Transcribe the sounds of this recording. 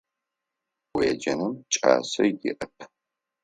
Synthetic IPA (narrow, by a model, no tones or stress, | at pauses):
wjɛd͡ʒɐnɨmt͡ʃʼa̰ːsɐjɪ̰ʔɐpʰ